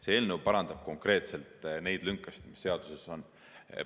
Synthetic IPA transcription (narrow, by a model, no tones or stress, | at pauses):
se̞eːlnewpɑɾɑnd̪̥ɑb̥̚ko̞ŋkre̞ːt̪se̞lt̪ˑne̞jd̪lyŋkːˑɑsi̥t̪mi̥sːe̞ɑd̪̥use̞so̞n